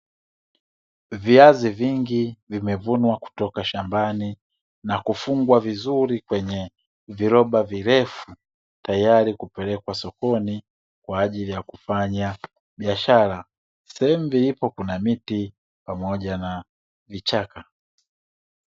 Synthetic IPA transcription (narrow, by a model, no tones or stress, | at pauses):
viaziviŋɡivimɛvunwaku̥tɔkaʃambani | nakufuŋɡwavizuɾikwɛɲɛ | viɾɔɓaviɾɛfu | tajaɾikupɛlɛkwasɔkɔni | kwaːʄilijakufaɲa | ɓiaʃala | sɛɛmuvilipɔkunamiti | pamɔʄana | vit͡ʃaka